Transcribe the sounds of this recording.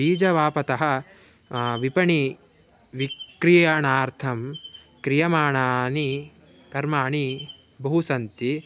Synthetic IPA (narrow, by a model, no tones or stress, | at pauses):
iːd͡ʒɐʋaːpɐt̪ɐɦɐ̆ | ʋipɐɳi | ʋikɾijɐɳaːɾt̪ʰɐm | kɾijɐmaːɳaːni | kɐɾmaːɳi | bɐɦusɐnt̪i